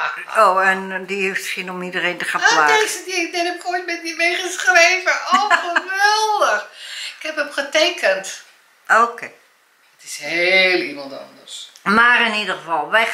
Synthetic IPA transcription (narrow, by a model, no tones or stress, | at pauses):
oːɛndiheftsinɔmidəreːntəχãlaesddɛnəpkʰotmɛt̚mimejχəsχreːvəʔowχəʋɛlˠdəxɪkhɛpəmχətejkʰənt | okʰe | ətɪshelˠimɑntɑ̰ndərsmarɪnidəχəvɑlˠʋɛj